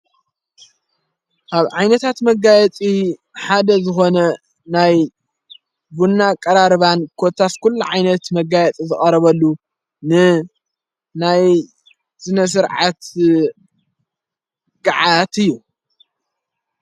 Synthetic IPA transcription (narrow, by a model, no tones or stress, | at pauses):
ʔaβʕajnɐt̪ʰat̪mɐɡajɛt͡sʼi | ħad̪ɐzɨxo̞nɐ | naj | bunːakʼɐɾaɾɨβankʰot̪ʰaskʰulːuʕajnɐt̪mɐɡajɛt͡s̪ʼizɨkʼɐɾɐβɐlːu | nɨ | naj | z̥ɨnɐs̬ɨɾʕat̪ | ɡ̥aʕat̪ɨjːu